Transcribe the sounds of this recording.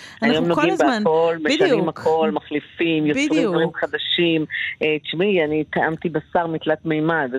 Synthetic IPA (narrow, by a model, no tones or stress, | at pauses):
ajomnoɡimbeakolmeʃanimhakʰo̞lmaχlifimjot͡sʁimd̪vaʁimχad̪aʃimet͡ʃmianit̪aʔamt̪ibasaʁmit̪lat̪mejmad̪